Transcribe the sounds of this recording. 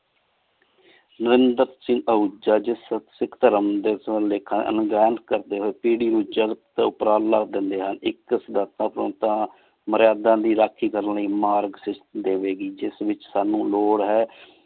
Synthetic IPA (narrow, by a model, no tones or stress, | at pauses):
nəɾɪnd̪əɾsɪ̃ŋɡəud͡ʒaːd͡ʒɪssɪkt̪əɾəmd̪eslekʰaʔə̰nɡɛːnkəɾd̪eːɦoːeːpiːɽiːɾuːd͡ʒəɡt̪t̪ːʊpɾaːlːəkd̪ɪnd̪eːɦənɪksɪd̪aːt̪ãːpɾõ̰ːt̪ãː | məɾjaːd̪ãːd̪iːɾaːkʰːiːkəɾənləiːmaːɾɡsɪt͡ʃd̪eːʋeːɡiːd͡ʒɪsʋɪt͡ʃsaːnũːloːɽɦɛː